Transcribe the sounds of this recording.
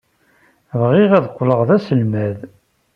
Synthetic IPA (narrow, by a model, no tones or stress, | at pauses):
vʁiʁæðqʷːləʁðæsəlmæð